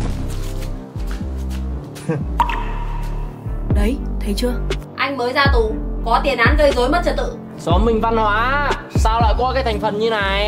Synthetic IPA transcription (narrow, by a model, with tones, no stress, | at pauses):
ɗə˨˦jt̪ʰə˨˦jt͡ɕɨ˧əʔa˧jŋ̟məː˨˦jzaː˧t̪u˨˦kɔ˨˦t̪i˨˩ənʔaː˧nzəː˧jzo˨˦jmə˦˥t̚t͡ɕə˨˩t̚t̪ɨ̰˧˨ | sɔ˨˦mmï˨˩ŋ̟va˧nhwaː˨˦saː˧wla̰ː˧˨jkɔ˨˦kaː˨˦jt̪ʰjŋ̟fə˨˩nɲɨ˧naː˨˩j